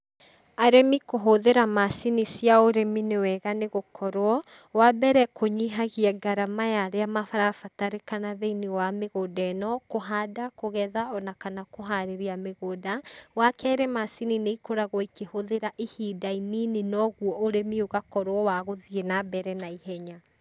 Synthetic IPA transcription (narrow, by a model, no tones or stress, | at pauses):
aɾemikoɦoðeɾamasinisiaoɾeminewɛɣaneɣokʰɔɾwɔ | wabɛɾɛkoɲiɦaɣiɛɡaɾamajaɾeamafaɾafataɾekanaðeiniwameɣoːdanɔkoɦadakoɣɛðaɔnakanakoɦaɾeɾeameɣodawakɛɾemasinineikoɾaɣɔikehoðeɾaʔihidaininenɔɣuɔʔoɾemioɣakɔɾwɔwaɣoðienabɛɾɛnaihɛɲa